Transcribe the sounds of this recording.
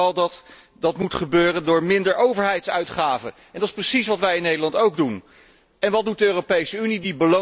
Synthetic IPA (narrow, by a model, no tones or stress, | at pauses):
ɑlˠdɑt | dɑtmutχəbøːrəndʊːɹmɪndəɹʔowvəɹɦɛjtsœɥtχaːvəʔɛndɑtɪ̥sprəsisʋɑtʋɛjɪnːejdəlɑntowɡ̚dun | ɛnʋɑt̚dut̚dəøːropejsəynidibəlo